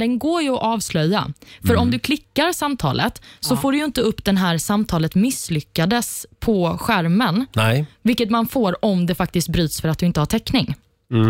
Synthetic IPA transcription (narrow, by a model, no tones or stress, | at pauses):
d̪ɛnɡoːɾjɵɔʔɑːvslœjːa̰fœɾɔmd̪ɵkʰlɪkːaɾsamt̪ʰɑ̰ːlʔə̰t̪sɔfoːɖɵjɪnt̪əɵpːd̪ɛnɦæːɾsamt̪ʰɑːlət̪mɪslʏkːad̪əspʰɔɧæɾmənvɪlkːət̪manfoːɾɔmd̪ɛfak̚t̪ɪst̪̚bɾyːt̪sfœɾat̪̚d̪ɵɪnt̪əhaʈʰɛkːnɪŋ